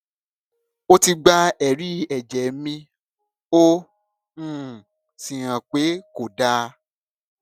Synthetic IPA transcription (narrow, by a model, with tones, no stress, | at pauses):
o˦ti˧ɡ͡ba˧ɛ˨ɾi˦ɛ˨d͡ʒɛ˨˦mĩ˧ | õ˦˨ | si˨ɾ̃ã˨k͡pe˨˦ko˨da˦˧˦